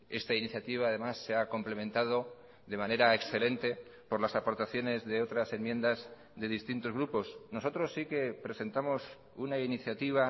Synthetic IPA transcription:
e̞st̪ainiθjat̪iβaːðe̞masːeako̞mple̞mẽ̞nt̪að̞o̞ | ðe̞mãne̞ɾaeksθe̞le̞nt̪e̞po̞ɾlasapo̞ɾt̪aθjo̞ne̞zðe̞o̞t̪ɾasemjẽ̞nd̪az | ðe̞ðist̪int̪o̞zɣɾupo̞sno̞so̞t̪ɾo̞sːike̞pɾe̞se̞nt̪amo̞s | unainiθjat̪iβ̞a

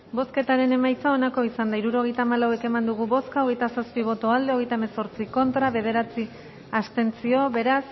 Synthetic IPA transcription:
bo̞ske̞t̪aɾe̞ne̞majt͡sao̞nako̞isand̪aiɾuɾo̞ɣ̞e̞jt̪aːmalawe̞ke̞mand̪uɣ̞uβo̞skaoɣ̞e̞jt̪asaspiβ̞o̞t̪oald̪e̞o̞ɣ̞e̞jt̪aemeso̞ɾt͡siko̞nt̪ɾaβe̞ð̞e̞ɾat͡si | ast̪e̞nt͡sio̞βe̞ɾas

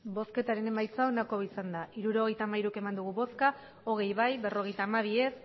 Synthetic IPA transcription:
bo̞ske̞t̪aɾe̞ne̞majt͡saonako̞isand̪aʔiɾuɾo̞ɣ̞e̞jt̪aːmaiɾuke̞mand̪uɣ̞uβo̞ska | o̞ɣ̞e̞jβajbe̞ro̞ɣ̞e̞jt̪aːmaβ̞ie̞s

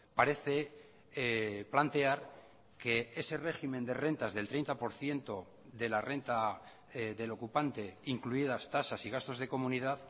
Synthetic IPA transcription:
paɾe̞θe̞ | plant̪e̞aɾ | ke̞ese̞re̞ximẽ̞nd̪e̞re̞nt̪azðe̞lt̪ɾe̞jnt̪apo̞ɾθje̞nt̪o̞ | ðe̞lare̞nt̪a | ðe̞lo̞kupant̪e̞iŋkluið̞ast̪asasiɣ̞ast̪o̞zðe̞ko̞mũnið̞að

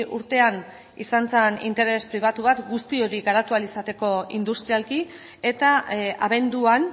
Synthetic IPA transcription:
ʔuɾt̪e̞an | isant͡senḭnt̪e̞ɾe̞spɾiβ̞at̪uβat̪ɡust̪io̞ɾiɣaɾat̪ualisat̪e̞ko̞ind̪ust̪ɾialki | e̞t̪aaβe̞nd̪uan

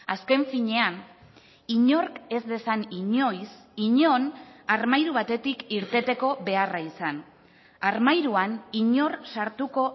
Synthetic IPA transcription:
aske̞ɱfiɲe̞an | iɲo̞ɾke̞zd̪e̞saniɲo̞js | iɲo̞naɾmajɾuβ̞at̪e̞t̪ikiɾt̪e̞t̪e̞ko̞βe̞araisan | aɾmajɾuaniɲo̞rsaɾt̪uko̞

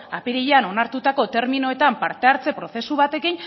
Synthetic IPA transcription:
apiɾiʎeano̞naɾt̪ut̪ako̞t̪e̞ɾminoe̞t̪ampaɾt̪e̞aɾt͡se̞pɾo̞θe̞suβ̞at̪e̞kin

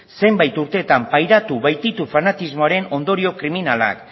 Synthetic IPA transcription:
se̞mbajt̪uɾt̪e̞ːt̪ampajɾat̪uβajt̪it̪ufanat̪izmo̞aɾe̞no̞nd̪o̞ɾio̞kɾiminala̰k

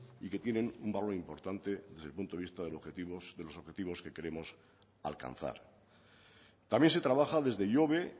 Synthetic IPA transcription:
ike̞t̪je̞nẽ̞numbalo̞ɾimpo̞ɾt̪ant̪e̞ðezðelpunt̪oist̪aðeoet̪iosðe̞lo̞so̞βxet̪iβo̞ske̞ke̞ɾe̞mo̞s | a̰lka̰nθa̰ɾ | t̪amje̞nse̞t̪ɾaβaxaðe̞zðe̞ʎo̞βe̞

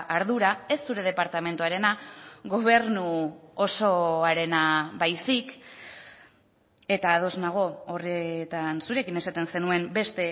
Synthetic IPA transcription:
ʔaɾðuɾae̞sːuɾe̞ð̞e̞paɾt̪ame̞nt̪uaɾe̞naɣo̞β̞e̞ɾnuoso̞aɾe̞naβajsik | e̞t̪aːð̞o̞znaɣ̞o̞oriet̪ansuɾe̞kine̞sat̪e̞nse̞nue̞mbe̞st̪e̞

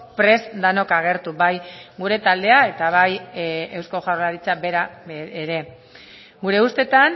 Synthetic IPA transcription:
pɾe̞zd̪ano̞kaɣ̞e̞ɾt̪ubajɡuɾe̞t̪ald̪e̞ae̞t̪aβ̞aje̞wsko̞ʝawɾlaɾit͡sabe̞ɾaeeɾe̞ | ɡuɾe̞ust̪e̞t̪an

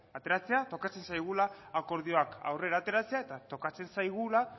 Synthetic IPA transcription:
at̪e̞ɾat͡se̞at̪o̞kat͡se̞nsajɣ̞ulaːko̞ɾðio̞aka̰wre̞ɾaːt̪e̞ɾat͡se̞ae̞t̪at̪o̞kat͡se̞nsajɣ̞ula

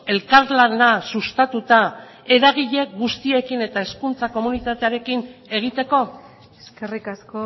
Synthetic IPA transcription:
e̞lkaɾlanasust̪at̪ut̪a | e̞ɾaɣ̞iʎe̞k̚ɡust̪ie̞kine̞t̪ae̞skunt͡sako̞munit̪at̪e̞aɾe̞kine̞ɣ̞it̪e̞ko̞ | eskerikasko

